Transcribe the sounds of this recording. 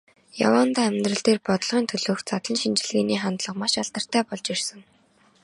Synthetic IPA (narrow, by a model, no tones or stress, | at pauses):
ja̰waːnt̪aːæmʲt̪rə̆ɮt̪eːrpɔt̪ɞ̆ɮʁiːnt̪ʰɵɮoːxt͡sat̪ɮə̆nʃint͡ɕɪ̆ɮɣeːniːχant̪ɮə̆qmaʃaɬt̪ə̆r̥t̪æːpɔɮt͡ɕirsə̆ŋ